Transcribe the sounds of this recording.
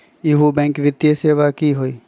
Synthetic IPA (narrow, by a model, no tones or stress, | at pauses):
jɪɦobɛ̃ːŋkʋɪt̪jəseːʋakiɦoiː